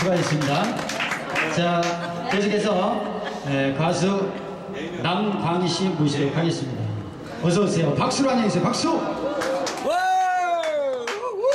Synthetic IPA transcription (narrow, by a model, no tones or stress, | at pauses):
uɡaɡes͈ɯmɲida | t͡ɕa | kesʰukesʰʌjekasʰu | namtaŋiɕʰimuɕʰiɾɯɭkaɡe̞s͈ɯmɲida | ʌsʌsʰejopak̚s͈uɾɦaɲesʰejopak̚s͈u